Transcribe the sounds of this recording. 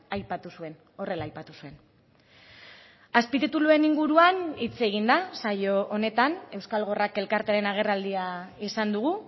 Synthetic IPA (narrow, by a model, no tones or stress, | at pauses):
ajpat̪usue̞n | o̞re̞laːjpat̪usue̞n | aspit̪it̪ulue̞niŋɡuɾuanit͡se̞ɣ̞ind̪asajo̞ʔone̞t̪ane̞wskalɣ̞o̞rake̞lkaɾt̪e̞aɾe̞naɣ̞e̞rald̪iaisand̪uɣ̞u